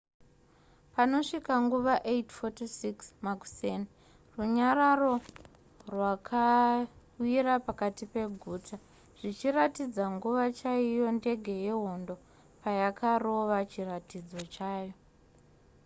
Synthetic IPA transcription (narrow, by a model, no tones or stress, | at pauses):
pano̞ʂikaŋɡuʋaʔetfotisiksmaku̥seni | ruɲaɾaro̞ | rwakʰa | wiɾapakatipe̞ɡʱuːtʰa | ʐ̥it͡ʃiratid͡zaŋɡuʋat͡ʃaijo̞nde̞ɡʱe̞je̞ɦo̞ndo̞ | pajakʰaro̞ʋat͡ʃiratid͡zo̞t͡ʃaːjo̞